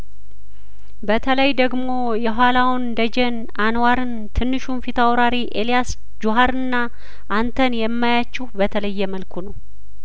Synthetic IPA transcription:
bət̪ʰələjd̪əɡmo̞ | jɛɦʷalawnd̪əd͡ʒɛn | anwaɾɨn | t̪ʰɨnːɨʃumfit̪ʰawɾaɾiʔelijas | d͡ʒuɦaɾɨnːa | ʔant̪ʰənjɛmːajat͡ʃːubət̪ʰələjːɛməlkʰunəw

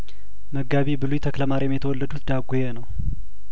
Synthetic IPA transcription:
məɡaβibɨlujt̪ʰəkləmaɾejɛmjɛt̪ʰəwɔlːəd̪ut̪d̪aɡojenəw

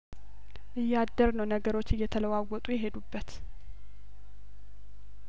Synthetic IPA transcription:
ʔɨjːad̪ːəɾnəwnəɡəɾo̞t͡ʃːɨjːɛt̪ʰələwawːɔt̪ʼujɛɦe̞d̪ubːət̪

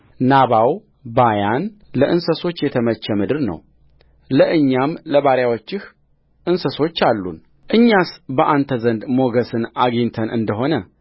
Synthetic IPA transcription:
naβaw | bajanləʔɨnsəso̞t͡ʃːjɛt̪ʰəmət͡ʃːəmɨd̪ɨɾnə̰w | ləʔɨɲːamləβaɾjawo̞t͡ʃːɪh | ʔɨnsəso̞t͡ʃːalːṵn | ʔɨɲːasbəʔant̪ʰəzənd̪mo̞ɡəsɨnaɡint̪ʰənʔɨ̰nd̪əɦo̞nə

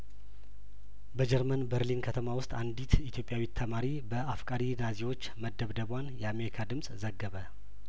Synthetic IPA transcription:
bəd͡ʒɛɾmənbəɾlinkʰət̪ʰəmawʊst̪ʼand̪it̪ʰit̪ʰjo̞pʼjawit̪ʰːəmaɾibəʔafkʼaɾinazewo̞t͡ʃːməd̪ːəβd̪əβwanjɛame̞ɾikʰad̪ɨmsʼzəɡːəβə

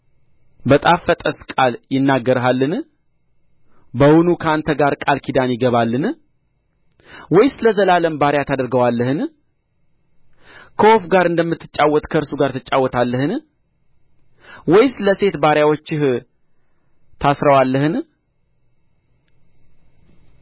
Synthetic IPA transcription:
bət̪ʼafːət̪ʼəskʼaljɪnːaɡːəɾɦalːɨn | bəhʊnukʰəant̪ʰəɡaɾkʼalkʰid̪anjɪɡəβalːɨn | wɔjsɨləzəlaləmbaɾjat̪ʰad̪əɾɡəwalːəhɨn | kʰəwofɡaɾɨnd̪əmːɨt̪ːɨ̥t͡ʃʼawːɔt̪ʼkʰəɨɾsuɡaɾt̪ʰɨt͡ʃʼːawːɔt̪ʰalːəhɨn | wɔjsɨləse̞t̪baɾjawot͡ʃːɪh | t̪ʰasɾəwalːəhɨn

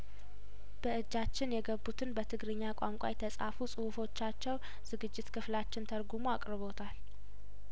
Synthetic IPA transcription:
b̥əʔɨd͡ʒːat͡ʃːɪnjɛɡəbːut̪ʰɨnbət̪ʰɨɡɾɨɲːakʷʼaŋkʷʼa̰jt̪ʰəsʼa̰fusʼɨhufo̞t͡ʃːat͡ʃːɛw | z̥ɨɡɨd͡ʒːɪt̪kʰɨflat͡ʃːɪnt̪ʰəɾɡumoakʼɾɨβo̞t̪ʰal

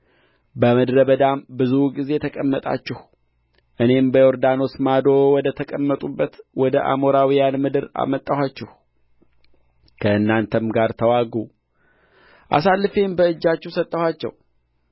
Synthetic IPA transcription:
bəmɨd̪ɾəbəd̪ambɨzuɡize̞t̪ʰəkʼəmːət̪ʼa̰t͡ʃːɪh | ʔɨne̞mbəjo̞ɾd̪ano̞smad̪o̞wɔd̪ət̪ʰəkʼəmːət̪ʼubːət̪wɔd̪əʔa̰mo̞ɾawijanmɨd̪ɨɾa̰mət̪ʼːəhat͡ʃːɛh | kʰəɨnːant̪ʰəmɡaɾt̪ʰəwaɡu | ʔa̰salːɨfe̞mbəɨd͡ʒːat͡ʃːɛhsət̪ʼːəhat͡ʃːɛ̰w

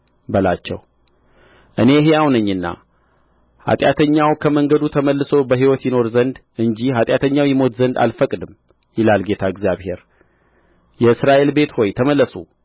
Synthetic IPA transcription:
bəlat͡ʃːɛ̰w | ʔɨne̞ɦejawnɨɲːɨnːa̰ | ha̰t̪ʼjat̪ʰəɲːawkʰəməŋɡəd̪ut̪ʰəməlːɨso̞bəɦiwɔt̪jɪno̞ɾzənd̪ʔɨɲd͡ʒihat̪ʼjat̪ʰəɲːawjɛmo̞t̪zənd̪a̰lfəkʼd̪ɨmː | jɪlalɡe̞t̪ʰaɨɡzjaβhe̞̰ɾ | jɛɨsɾaʔe̞lbe̞t̪ho̞jt̪ʰəməlːəsu

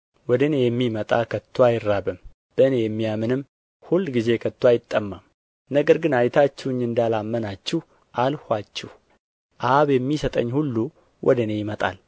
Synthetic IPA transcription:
wɔd̪əne̞jɛmːimət̪ʼakʰət̪ʰːwajɪɾːabɨm | b̥əɨnejɛmːijamɨnɨm | hulːɡize̞kʰət̪ːwajɪt̪ʼːəmːam | nəɡəɾɡɨnajt̪ʰat͡ʃːɛɲːɨnd̪alamːənat͡ʃːɛh | ʔalhʷat͡ʃːɛh | ʔaβjɛmːisət̪ʼə̰ɲːhulːu | wʔɔ̰d̪əne̞jɪmət̪ʼa̰l

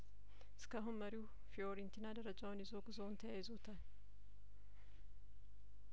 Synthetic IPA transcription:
skaɦʊmmɐɾuː | fɪoːɾɪnt̪ɪnaːdɐɾɐd͡ʒawɔnɪzoːɡʊzoːnt̪ɐʔɛɪzoːt̪ɐn

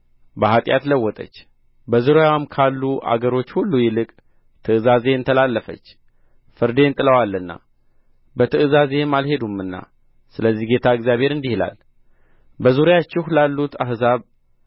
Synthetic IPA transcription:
bəɦat̪ʼja̰t̪ləwːɔt̪ʼə̰t͡ʃː | bəzuɾjawmkʰalːuʔa̰ɡəɾo̞t͡ʃːhulːujɪlɨkʼ | t̪ʰɨɨzaze̞ɨnt̪ʰəlalːəfə̰t͡ʃː | fɨɾd̪e̞nt̪ʼɨləwalːɨnːa̰ | bət̪ʰɨʔɨzaze̞malhe̞d̪umɨnːa̰ | sɨləzːihɡe̞t̪ʰaɨɡzjaβhe̞ɾɨnd̪ihla̰l | bəzuɾjat͡ʃːɪhlalːut̪ahzaβ

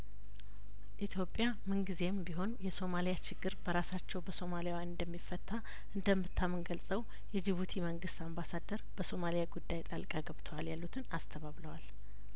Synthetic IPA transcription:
ʔit̪ʰjo̞pʼːja | mɨnɡize̞mbiɦo̞njɛso̞malijat͡ʃɪɡːɨɾbəɾasat͡ʃːɛwbəso̞malijawjanɨnd̪əmːifːət̪ʰːa | ʔɨnd̪əmːɨt̪ʰːamɨnɡəlsʼəw | jɛd͡ʒɪβut̪ʰiməŋɡɨst̪ambasad̪əɾb̥əso̞malijaɡud̪ːajt̪ʼalkʼaɡəβt̪ʰəwaljalːut̪ʰɨnast̪ʰəβaβləwal

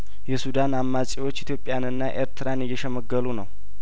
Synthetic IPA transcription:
jɛsud̪anamːasʼiwo̞t͡ʃːit̪ʰjo̞pʼːjanɨnːaʔeɾt̪ʰɨɾanjːɛʃəməɡːəlunəw

